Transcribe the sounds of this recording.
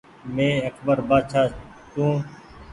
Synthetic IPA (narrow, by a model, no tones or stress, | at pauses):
mẽːəkʰbəɾbaːd̪ʃʰaː | t̪ũː